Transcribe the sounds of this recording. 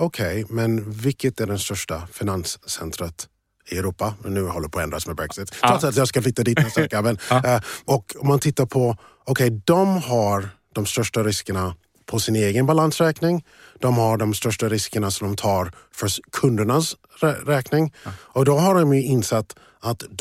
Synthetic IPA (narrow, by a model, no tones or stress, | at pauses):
ɔkʰɛjmɛnvɪkːət̪æɖɛnst̪œʂʈafɪnansːɛ̰nt̪ɾət̪ | ɪɛɾuːpamɛnːʉ̟ːhɔlːəɾpʰɔːɛnd̪ɾasmɛbɾɛksɪt̪ʰːɔt̪sɛt̪jɑskafɪt̪ːad̪iːt̪sɛkavən | ɔkɔmːant̪ʰɪt̪ːaɾpʰɔ | ɔkʰɛjd̪ɔmɦaɾ | d̥̪ɔmst̪œʂʈaɾɪskəɳa | pʰɔsɪneːɡənbalansɾɛːknɪŋ | d̪ɔmhaɖɔmst̪œʂʈaɾɪskəɳasɔmd̪ɔmt̪ʰɑːɾfœkʰɵnd̪əɳas | ɾɾɛːknɪŋɔkd̪ɔɦaɖɔmjɵɪnːsɛt̪ː | at̪